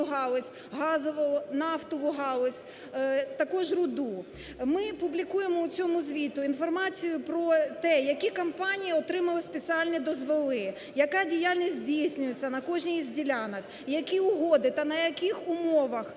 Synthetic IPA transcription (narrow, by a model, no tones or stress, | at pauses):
ʊɦɑlˠɔsʲ | ɦɑzɔʋɔɔnɑft̪ɔʋʊɦɑlˠɔsʲ | t̪ɐkɔʒrʊd̪u | mɪpʊblʲikujemɔʊt͡sʲɔmʊzʲʋʲit̪ʊinfɔrmɑt͡sʲijʊpɾɔt̪ɛjɐkʲikɐmpɑnʲijɐɔt̪ɾɪmɐlˠɐsʲpet͡sʲialʲnʲid̪ɔzʋelˠɪ | jɐkɑdʲijalʲnʲisʲtʲzʲdʲijsʲnʲʊjet͡sʲːɐnɐkɔʒnʲijzʲdʲilʲanɐk | jɐkʲiʊɦɔd̪ɪt̪ɐnɐjɐkʲixʊmɔʋɐx